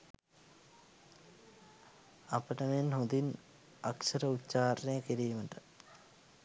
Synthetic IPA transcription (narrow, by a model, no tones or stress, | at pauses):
apəʈəmenɦond̪in | aksəɾəut̪ːt͡ʃaːɾnejəkiɾiːməʈə